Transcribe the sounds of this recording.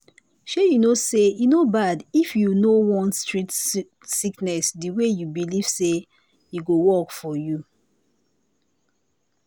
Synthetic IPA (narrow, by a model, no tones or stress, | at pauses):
ʃejunosejunobadifjunowɔ̃nstɹit | siknɛsdiwejubiliv̥se | jiɡowɔkfɔju